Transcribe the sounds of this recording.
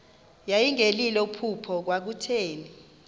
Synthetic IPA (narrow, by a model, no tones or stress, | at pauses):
jajiŋelilɛupʰupʰɔk̬wak̬utʰeːni